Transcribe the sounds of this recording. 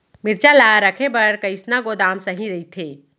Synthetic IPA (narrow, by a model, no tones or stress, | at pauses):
mɪɾt͡ʃalaːɾəkʰebɐɾkəɪsnaɡod̪aːmsɐɦĩɾɐɦit̪ʰeː